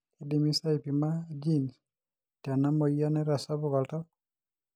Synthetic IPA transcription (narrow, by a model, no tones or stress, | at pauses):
kidimisaipimad͡ʒins | tjanamɔianɛɾasabukalta